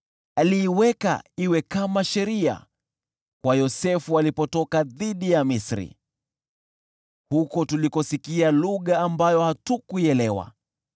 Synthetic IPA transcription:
aliːwɛka̰iwɛkamaʃɛɾia̰ | kwajɔsɛfualipɔtɔkaðiɗijamisɾḭ | hukɔtulikɔsikialuɠaːmbajɔhatukuɛlɛwa̰

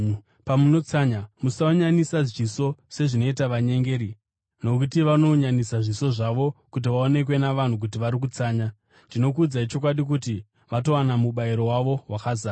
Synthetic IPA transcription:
pamuno̞t͡saɲamusauɲanisaʐiso̞se̞ʐino̞itaʋaɲe̞ŋɡe̞ːɾi | no̞kutiʋano̞ɲanisaʐiso̞ʐaʋo̞kut̬iʋaone̞k̬we̞naʋan̤uk̬ut̬iʋaɾik̬ut͡saːɲa | ndino̞k̬ud͡zait͡ʃo̞k̬waɗik̬uti | ʋato̞wanamuɓaiɾo̞waʋo̞wakazaː

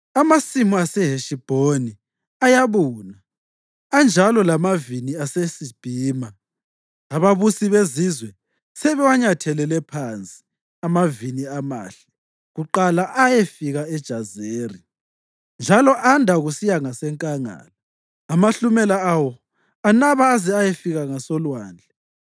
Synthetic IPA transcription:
amasimuasɛɦeʃib̥ʱoni | ajaβuːna | and͡ʒʱalɔlamaviniasesib̥ʱiːmaː | βaβusiβezizwɛ | sɛβɛwaɲatʰɛlɛlɛpʰant͡sʼi̥ | amaviniama̰ːɬɛ̥ | ɣuǃalaʔajefiɣaɛd̥ʒ̥ʱazeːri | nd͡ʒʱalɔʔandʱaɣusijaŋasɛŋkʼaŋa̰ːla | amaɬumɛlaawɔ | anaβaːzɛajefiɣaŋasɔlwaːnd͡ɮʱɛ

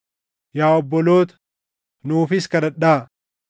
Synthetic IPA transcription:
jaːɔbːɔlo̞ːt̪ɐ̥ | nuːfɪskɐɾɐᶑaː

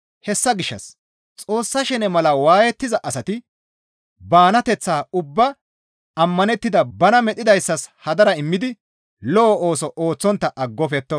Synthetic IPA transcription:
hɛsːɐɡɪʃːɐ̰s | t͡sʼo̞ːsːɐʃɛnɛmɐlɐwaːjɛt̪ːɪzɐʔɐsɐt̪ɪ | baːnɐt̪ɛt͡sːaːʊbːɐ | ɐmːɐnɛt̪ːɪd̪ɐbɐnɐmɛt̪ʼːɪd̪ɐjsːɐshɐd̪ɐɾɐɪmːɪd̪ɪ | lɔːʔo̞ːsɔʔoːt͡sːɔnt̪ːɐʔɐɡːɔfɛt̪ːɔ

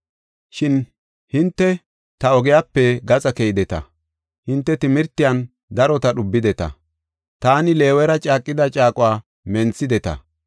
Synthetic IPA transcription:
ʃɪn | hɪnt̪ːɛ | t̪ɐɔɡɛjaːpːɛɡɐt͡sʼɐkɛjɪd̪ɛt̪ɐ̰ | hɪnt̪ːɛt̪ɪmɪɾt̪ːɪjɐn | d̪ɐɾɔt̪ɐɗʊbːɪd̪ɛt̪ɐ̰ | t̪aːnɪle̞ːwɛɾɐt͡ʃʼaːkʼːɪd̪ɐt͡ʃʼaːkʼʊwaː | mɛnt͡sːɪd̪ɛt̪ɐ̰

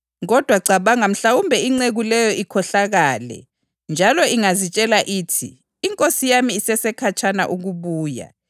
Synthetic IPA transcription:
ɣɔd̥ʱwaɡ͡ǀʱaβaŋam̩ɬawumbʱɛiŋ͡ǀeɣulɛjɔʔikʰɔɬaɣaːlɛ̰ | nd͡ʒʱalɔiŋazit͡ʃʼɛlaʔiːtʰḭː | ŋkʼosijamiːsɛsɛkʰat͡ʃʰʼana̰ʔuɣuβuːja̰

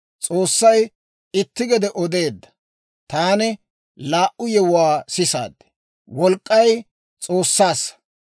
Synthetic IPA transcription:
t͡sʼoːsːɐj | ɪt̪ːɪɡɛd̪ɛʔɔd̪e̞ːd̪ːɐ̥ | t̪aːnɪ | laːʔʊjɛwʊwaːsɪsa̰ːd̪ːɛ̥ | wɔlkʼːɐj | t͡sʼo̞ːsːaːsɐ̥

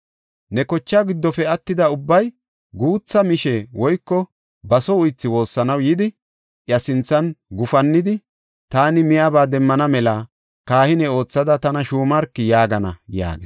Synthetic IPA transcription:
nɛkɔt͡ʃːaːɡɪd̪ːɔfɛɐt̪ːɪd̪ɐʊbːɐj | ɡuːt͡sːɐmɪʃɛwɔjkːɔ | bɐsɔʊjt͡sːɪwo̞ːsːɐnɐwjɪd̪ɪ | ʔjɐsɪnt͡sːɐnɡʊfɐnːɪd̪ɪ | t̪aːnɪmɪjabaːd̪ɛmːɐnɐmɛlɐ | kaːhɪnɛo̞ːt͡sːɐd̪ɐt̪ɐnɐʃuːmɐɾkːɪjaːɡɐnɐ̰ja̰ːɡes

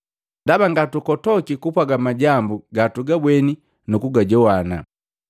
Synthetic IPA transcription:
ndabaŋɡatukɔtɔkikupwaɡamaɟambuɡatuɡabwɛni | nukuɡaɟɔwana̰

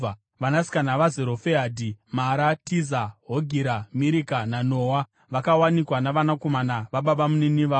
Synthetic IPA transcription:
ʋanasi̥kanaʋazeɾo̞feɦadʱimaɾatizaɦoɡʱiɾamiɾikananoːwa | ʋakawanikwanaʋanako̞manaʋaɓaɓamuniniʋaː

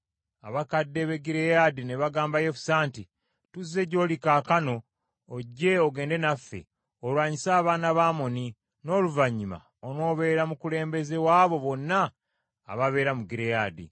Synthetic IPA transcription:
aβakadːeβe̞ɡiɾejadine̞βaɡaːmbajefu̥saːnti | tuzːe̞ɟo̞ːlikaːkano̞ː | ɟːe̞oɡe̞ːnde̞nafːe̞̰ | olwaːɲisaːβaːnaβaːmo̞ni | no̞ːluvaɲːima̰ | ono̞ːβe̞ɾamukule̞ːmbe̞ze̞waːβo̞βo̞nːa̰ː | βaβe̞ːɾamuɡiɾejaːdḭ

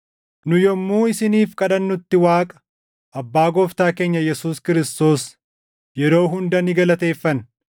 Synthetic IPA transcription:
nʊjɔmːuːɪsɪniːfkʼɐᶑɐnːʊt̪ːɪwaːkʼɐ̥ | ʔɐbːaːɡɔft̪aːke̞ːɲːɐjɛsuːskɪɾɪst̪o̞ːs | jɛɾo̞ːɦʊnd̪ɐnɪɡɐlɐt̪e̞ːfːɐn

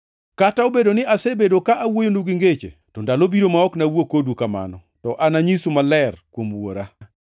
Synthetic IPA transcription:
kataobedonɪʔasɛbedokaʔawojonuɡiŋɡet͡ʃḛtɔndalobiɾomaɔknawokodukama̰nɔ | tɔʔanaɲisumalɛrkwomwo̰ɾa

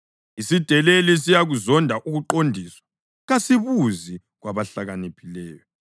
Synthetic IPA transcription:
isid̥ʱɛlelis̬ijaɣuzɔndʱaʔuɣuǃondʱiswḁ | ɣasiβuzi | ɣwaβaɬaɣanipʰʼilɛːjɔ

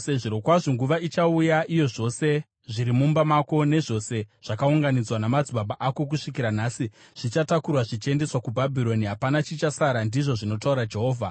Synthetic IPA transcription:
seʐiɾo̞kwaʐoŋɡuʋait͡ʃaujaʔijo̞ʐo̞se̞ | ʐiɾimumbamako̞ne̞ʐo̞se̞ʐ̥akauŋɡanid͡zwanamad͡zibaɓaʔako̞k̬uʂikiɾanaːsi | ʐ̥it͡ʃatakurwaʐit͡ʃe̞nde̞swakubʱabʱiɾo̞niɦapanat͡ʃit͡ʃasaɾandiʐo̞ʐino̞tauɾad͡ʒe̞ɦo̞ːvʱa

